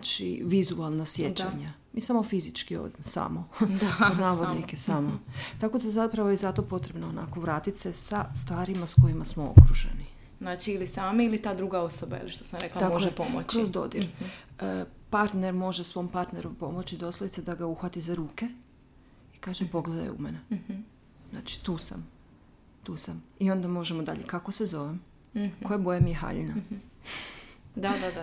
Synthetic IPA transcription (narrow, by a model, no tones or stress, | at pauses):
at͡ʃḭʋizualˠnasje̞t͡ɕaɲa | miːsamo̞fizit͡ʃkio̰d̪imsa̰ːmood̪naːʋo̞d̪nikesamot̪ako̞d̪azapɾaʋo̞jezat̪o̞po̞t̪ɾe̞bnoona̰ko̞ʋɾaːt̪it̪se̞sast̪ʋaːɾimasko̞jimasmoo̰kɾuʒḛni | znaːt͡ʃiːlisaːmailit̪aːd̪ɾuɡaosoba̰eliʃt̪osamɾɾeklt̪amkoepomot͡ɕkɾozd̪o̞̰d̪iɾ | əpaɾt̪ne̞ɾmo̞ʒesʋo̞mpaɾt̪ne̞ɾumpo̞mo̞t͡ɕid̪o̞slˠojit̪sed̪aɡauxʋat̪izaɾuːke̞ | ikaːʒepo̞ɡled̪a̰j̰ṵmene | zna̰ːt͡ʃi̥t̪uːsa̰m | t̪uːsamio̞nd̪amo̞ʒemod̪a̰ʎekako̞sezo̞ʋem | kojabo̞jemieɦa̰ʎḭna | d̪add̪ad̪a